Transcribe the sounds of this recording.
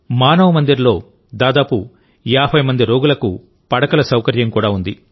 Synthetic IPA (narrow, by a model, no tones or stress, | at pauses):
maːnɐʋɐmɐnd̪iɾlo̞ː | d̪aːd̪aːpu | jaːbʱɐjmɐnd̪iɾoːɡulɐku | pɐɽɐkɐlɐsɐwkɐɾjɐmkuːɽaːund̪i